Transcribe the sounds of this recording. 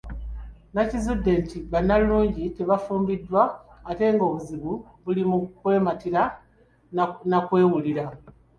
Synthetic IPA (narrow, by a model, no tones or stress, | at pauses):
nacizudːe̞ntiβanːalːuːɲɟite̞βafuːmbidːwaːte̞ːŋɡo̞ːβuziβu | βulimukwe̞ːmatiɾa | nakwe̞ːwuliɾa